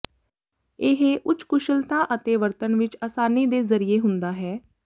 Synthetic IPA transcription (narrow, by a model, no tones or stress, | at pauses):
ɪɦeʔʊt͡ʃkʊʃəlt̪ãːʔət̪eːʋəɾt̪ənʋɪt͡ʃaːsaːniːd̪eːzəɾiːeːɦʊnd̪aːɦɛː